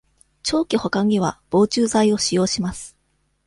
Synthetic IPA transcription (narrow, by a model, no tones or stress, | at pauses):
t͡ɕo̞ːkʲiho̞kãŋ̟iβ̞ab̥o̞ːt͡ɕɨːzaio̞ɕijo̞ːɕimasɨ̥